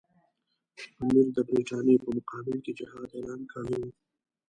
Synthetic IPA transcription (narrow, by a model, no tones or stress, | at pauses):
ɐmɪɾd̪ɐpeːt͡ʃaːnepɐmʊqaːbɪlkid͡ʒɐɦaːd̪eːlaːnkɐɽũː